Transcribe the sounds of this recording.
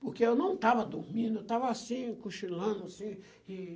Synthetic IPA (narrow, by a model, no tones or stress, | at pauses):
pʊɾkeewnɐ̃w̃t̪avɐd̪uɾmĩnd̪ʊewt̪avɐasĩkuʃilɐ̃d̪ʊasĩ | ɪ